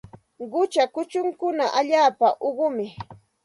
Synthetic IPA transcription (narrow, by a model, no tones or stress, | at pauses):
ɢʊt͡ʃakʊt͡ʃʊŋkʊnaʔaʎaːpaʔoɢʊmɪ